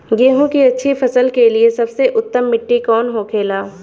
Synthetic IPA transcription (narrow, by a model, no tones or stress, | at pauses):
ɡeːɦõkiɐtːʃʰifɐsəlkeliesɐbseʔʊt̪ːəmːɪʈːikɔːnɦokʰeːlaː